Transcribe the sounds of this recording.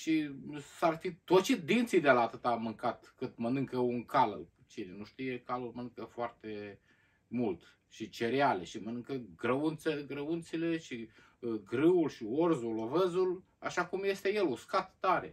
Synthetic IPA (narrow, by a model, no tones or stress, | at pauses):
ʃisarfit̪ot͡ʃit̪̚d̪int̪sid̪elaːt̪ɨt̪amɨŋkat̪kɨt̪mənɨŋkəuŋkal | t͡ʃinenuʃt̪ijekalulmənɨŋkəfoart̪e̞ | mult̪ | ʃit͡ʃe̞ɾeale̞ʃimənɨŋkəɡɾəunt̪seɡɾəunt̪sile̞ʃi | ɡɾɨulʃiorzulovəzul | aʃakumje̞st̪eje̞luskat̪ːaɾe̞̰